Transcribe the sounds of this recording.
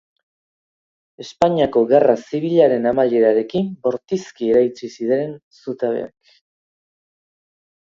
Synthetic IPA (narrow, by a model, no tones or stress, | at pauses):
e̞spaɲiako̞ɣarasiβ̞iʎaɾe̞namaʎe̞ɾaɾe̞kimbo̞ɾt̪iskie̞ɾajt͡sisiðe̞nsut̪aβe̞̰a̰k